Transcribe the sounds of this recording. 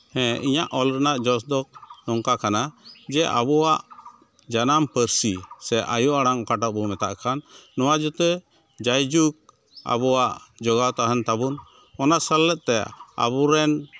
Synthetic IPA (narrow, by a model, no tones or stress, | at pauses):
hɛ̃iɲaʔɔlɾɛnaʔd͡ʒɔs̬d̪ɔk̚nɔŋkakanad͡ʒɛʔa̰bɔwaʔ | d͡ʒanampəɾsisɛʔajuʔaɽaŋɔkaʈaʔ̚bɔmɛt̪a̰ʔkʰanːɔwad͡ʒut̪ɛ | d͡ʒajd͡ʒuk̚ | a̰bɔwaʔd͡ʒɔɡat̪aɦant̪abun | ɔnaʔsəlːɛt̪̚t̪ɛa̰βɔɾɛn